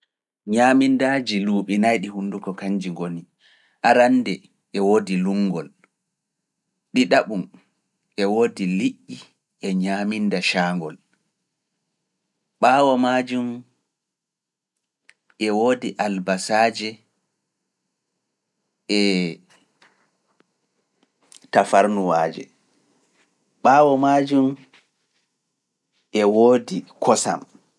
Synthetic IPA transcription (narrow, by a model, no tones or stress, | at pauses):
ɲamindaːd͡ʒiluːɓinajɗihundukɔkaɲd͡ʒiŋɡoni | ʔaɾandɛ | ʔɛwoːdiluŋɡɔl | ɗiɗaɓum | ʔɛwoːdiliʔːi | ʔɛɲamindaʃaːŋɡɔl | ɓaːwɔmad͡ʒum | ʔɛwoːdiʔalbasaːd͡ʒɛ | ʔɛ | tafaɾnuwaːd͡ʒɛ̰ | ɓaːwɔmad͡ʒum | ʔɛwoːdikʰɔsa̰m